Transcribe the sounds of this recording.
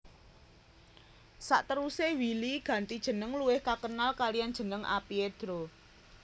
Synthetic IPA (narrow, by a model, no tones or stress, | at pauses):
sa̰ʔt̪əɾusewiliɡ̥ä̤nt̪id̥ʒ̥ə̤nəŋluwɪhkakənalkalijand̥ʒ̥ə̤nəŋʔa̰pied̪̥ɾo